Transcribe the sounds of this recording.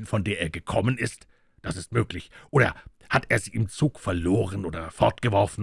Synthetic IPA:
nfɔndeːɐeːɐɡəkʰɔmənɪst | d̥asɪstmøːklɪçʔoːɾɐ̰ | hateːɐziːɪmt͡suːkfɛɐloːʁ̞ənʔoːdɐfɔɐtɡ̥əvɔɐfn̩

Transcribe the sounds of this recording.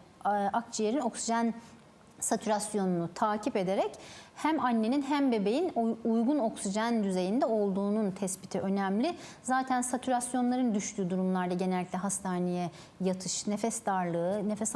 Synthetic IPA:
ʔak̚t͡ʃʰijeɾino̞ksiʒæn | sat̪ʰyɾasjo̞nunut̪ʰaːcʰipe̞d̪eɾɛchæmanʲːe̞ninɦæmbe̞be̞jinujɡuno̞ksiʒænd̪yze̞jind̪ɛo̞lˠd̪uːnunt̪ʰɛspit̪ʰiʔø̞nɛmlʲɪzaːt̪ʰænsat̪ʰyɾasjo̞nlˠaɾɯnd̪yʃt̪ʰyːd̪uɾumlˠaɾd̪aɟe̞neɛlʲːic̪ʲtlʲɛɦast̪ʰaːnejɛ | jat̪ʰɯ̥ʃne̞fɛst̪aɾlˠɯɯnefɛs

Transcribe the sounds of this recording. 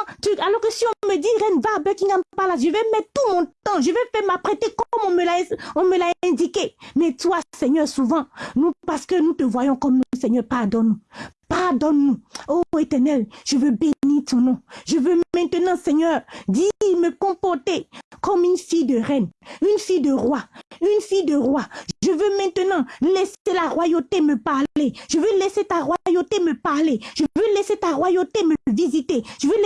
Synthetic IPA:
t̪yalɔʁkəsiɔ̃məd̪iʁɛnvabøkĩŋɡampalaʒəvɛmɛt̪̚t̪umɔ̃t̪ãʒəvɛfɛmapʁɛt̪ekɔmɔ̃məlaɔ̃məlaɛ̃d̪ikemɛt̪wasɛɲœʁsuvɑ̃nũpaʁsə̥kənũt̪əvwajɔ̃kɔmnusɛɲœʁpaʁd̪ɔnːupaʁd̪ɔnːuoet̪ɛʁnɛlʒ̥əvøbeniʁt̪ɔ̃nɔ̃ʒəvømɛ̃t̪ənɑ̃sɛɲœʁd̪iməkɔ̃pɔʁt̪ekɔmynfijd̪əʁɛnynfijd̪əʁwaynfid̪əʁwaʒʒəvømɛ̃t̪ənɑ̃lɛselaʁwajot̪eməpaʁeʒ̥əvølɛset̪aʁwajot̪eməpaʁleʒ̥əvølɛset̪aʁwajot̪eməvizit̪eʒəvøl

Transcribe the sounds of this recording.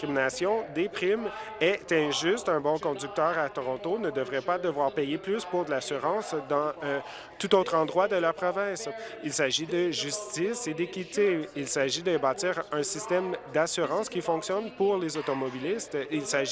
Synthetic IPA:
iminasjɔ̃d̪epχim | ɛt̪ɛ̃ʒyst̪ɛ̃bɔ̃kɔ̃d̪zyk̚t̪œːʁat̪ɔʁɔ̃t̪onəd̪əvʁɛpad̪əvwaːʁpɛjeplyspuʁd̪əlasyʁɑ̃ːsd̪ɑ̃ø | t̪ut̪oːt̪χɑ̃d̪ʁwad̪əlaʁpχɔvɛ̃ːsilsaʒid̪əʒyst̪ised̪ekʲit̪eilsaʒid̪ɛbaɑːt̪iːʁɛ̃sist̪ɛmd̪asyʁɑ̃skʲifɔ̃ksjɔnpuʁlezot̪ɔmɔbilist̪ilsaʒ

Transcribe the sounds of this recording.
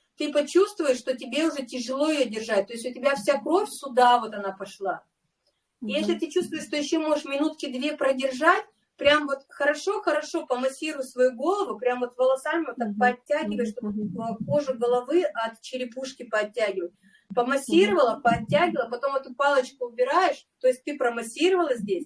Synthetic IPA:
t̪ɨpɐt͡ɕust̪vʊjɪʂːt̪o̞tʲɪbʲeʊʐɛtʲɪʐɨlˠo̞ɪjodʲɪrʐat̚ʲt̪o̞ɪsʲtʲʊtʲɪbʲafsʲakɾo̞fʲsʲʊd̪avo̞t̪ɐnapɐʂlˠa | ijesʲlʲɪt̪ɨt͡ɕust̪vʊjɪʂt̪o̞jɪɕːo̞mo̞ʐɨʂmʲɪnut̪kʲɪd̪vʲepɾədʲɪrʐatʲ | pɾʲamvo̞t̪xəɾɐʂo̞xəɾɐʂo̞pəmɐsʲiɾəvʊtʲsvɐjuɡo̞lˠəvʊpɾʲamvo̞t̪vəlˠɐsalʲnʲɪot̪ɐpɐɐtʲːæɡʲɪvəjɪʂt̪obko̞ʐʊɡəlˠɐvɨʔɐt̪t͡ɕɪɾʲɪpuʂkʲɪpəɐtʲːæɡʲɪvət̚ʲ | pəmɐsʲiɾəvəlˠəpɐɐtʲːæɡʲɪlˠəpɐt̪o̞mət̪ʊpɑlˠət͡ɕkʊʊbʲɪɾajɪʂt̪o̞jɪsʲtʲt̪ɨpɾəmɐsʲiɾəvəlˠəzʲdʲesʲ

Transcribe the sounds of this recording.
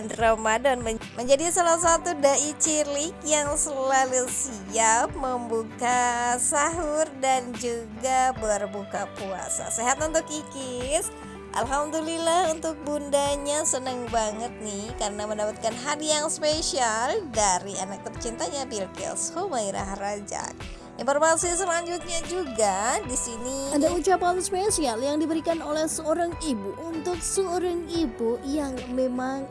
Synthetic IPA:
nromadɔnməməɲd͡ʒadisalas̬at̪udaʔit͡ʃilɪkjaŋsəlalusiap̚məmbukasaɦʊrdand͡ʒuɡabərbukapua̰sa̰seɦat̪unt̪ʊkikɪs | ʔa̰lɦamdulilahunt̪ʊk̚bundaɲasənəŋbaŋət̪̚nihkarənaməndapat̪̚kanɦadiaŋspeʃialdaɾianak̚t̪ərt͡ʃint̪aɲabilkɛ̰shomaiɾa̰hrad͡ʒa̰k̚ | informasis̬əlaɲd͡ʒut̪̚ɲad͡ʒuɡadisiniadaut͡ʃapanspesialjaŋdibəɾikanolɛhsəoɾaŋibuʔunt̪ʊk̚səoɾaŋibujaŋmemaŋ

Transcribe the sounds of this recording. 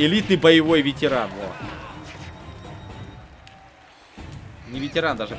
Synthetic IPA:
ɪlʲit̪nɨjbəjɪvo̞jvʲɪtʲɪɾano̰ | nʲɪvʲɪtʲɪɾand̪aʐɨ

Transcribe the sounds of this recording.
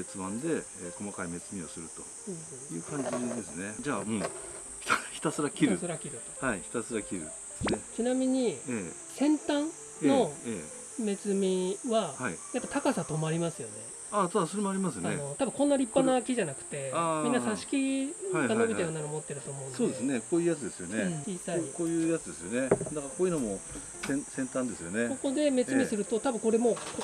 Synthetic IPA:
et͡sɨbãnd̪e̞eko̞makaime̞t͡sɨmʲiosɨɾɯ̟t̪ohɯ̟̃ːhɯ̃ːjɯ̟̰ːkãɲ̟d͡ʑid̪e̞sɨne̞d͡ʑaːmoː | ç̥t̪açi̥t̪asɨɾakçkʲiɾɯasɨɾakʲiɾɯ̟t̪o̞̥haiçi̥t̪asɨɾakʲiɾɯ̰ | set͡ɕinamʲiɲ̟ieː | sẽ̞nt̪ãn | no̞e | me̞t͡sɨmʲiβahaid̪at̪ːat̪akasat̪o̞maɾʲimasɨjo̞ne̞ | at̪asoɾe̞moaɾʲimasɨaeno̞t̪abɯ̟̃kõ̞nːaɾʲipːanakʲiʑanakɯ̟̥t̪e̞amĩnːasaɕi̥kʲikano̞bit̪ejanːaɾomo̞t̪ːe̞ɾɯ̟t̪o̞ːmõ̞ːnsoːd̪e̞sɨnekoːjɯːjat͡sɨd̪esɨjo̞̰net͡ɕiːsaɲikoːjɯ̟ːjat͡sɨd̪e̞sɨjo̞ne̞d̪akaɾako̞ːjɯ̟nomo | sẽsẽ̞nt̪ãnd̪e̞sɨjo̞̰ne̞koko̞d̪e̞me̞t͡sɨmʲisɨɾɯ̟t̪o̞t̪abɯ̟̃ko̞ɾe̞mo̞ːko

